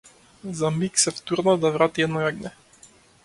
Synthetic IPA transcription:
zamiksɛft̪uɾnɔd̪avɾat̪iɛd̪nɔjaɡnɛ

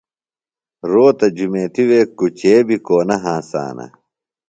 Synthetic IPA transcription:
ɾoːt̪ɐd͡ʑumeːt̪iweːkut͡ɕeːbikoːnɐɦãːsa̰ːnɐ̰

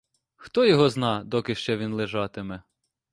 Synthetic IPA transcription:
xt̪ɔjɔɦɔznɑd̪ɔkɪʃt͡ʃɛʋʲinlˠeʒɑt̪ɪmɛ

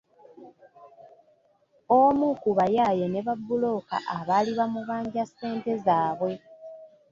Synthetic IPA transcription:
omukuβajaːjene̞βabːulo̞ːka̰ʔaβaliβamuβaːɲɟase̞ːnte̞zaːβwe̞

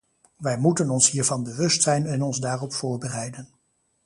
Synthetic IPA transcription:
ʋɛjmutənɔnsɦiːɹvɑnbəʋɵstsɛjnɛnɔnzdaːrɔpfʊːɹbərɛjdən

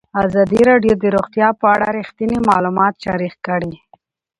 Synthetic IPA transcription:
azɑd̪iɾɑɖjod̪əɾoɣt̪jɑpəaɽaɾixt̪inimɑlumɑt̪ʃɑɾixkəɽi

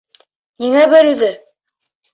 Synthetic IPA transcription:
niŋæbɘ̆ɾʉðɘ

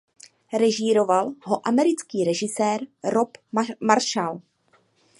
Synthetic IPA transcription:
ɾɛʒiɾo̞valɦo̞ʔamɛɾɪt͡skiːɾɛʒɪsɛːɾɾopmaɾʃal

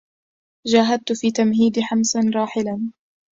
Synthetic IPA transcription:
d͡ʒaːɦad̪̚t̪fiːt̪amɦiːd̪ɪħamsanɾˤɑːħɪlan

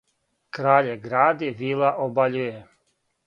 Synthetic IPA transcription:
kɾaːʎeɡɾaːd̪iʋilˠaʔobaʎuje

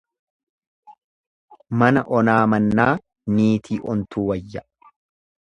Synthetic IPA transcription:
mɐnɐʔɔnaːmɐnːaː | niːt̪ʰiːʔɔnt̪uːwɐjːɐ

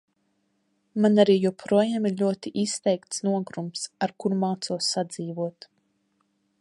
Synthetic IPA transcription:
manaɾiːjupʰɾuɔjaːmiɾʎʲuɔt̪iʔist̪ɛjkt̪snuɔɡɾumsaɾkuɾmaːt̪suɔsːad̪ziːvuɔt̪

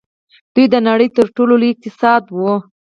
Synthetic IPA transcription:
d̪̥ujd̪ənaɽəjt̪əɾʈololɪk̚t̪ɪsɑd̪wə

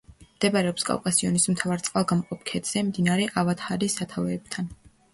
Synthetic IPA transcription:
md̪̥ɛbaɾɛɔpskʼa̰wkʼasiɔnismt̪ʰavaɾt̪sʼqʼalˠɡamqʼɔp̚kʰɛt̪z̥ɛmd̪inaɾɛʔavat̪haɾisat̪ʰavɛːb̚t̪ʰan

